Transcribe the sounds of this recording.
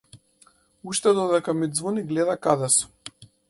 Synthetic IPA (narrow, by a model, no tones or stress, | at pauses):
uʃt̪ɛd̪ɔd̪ɛkamid̪zvuniɡlɛd̪akad̪ɛsu̥